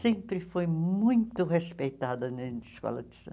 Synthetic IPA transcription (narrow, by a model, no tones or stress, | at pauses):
sẽmpɾɪfojmmũj̃t̪ʊhespejt̪ad̪ɐnɐnskɔ̰lɐ̰d̪ɪsɐ̰̃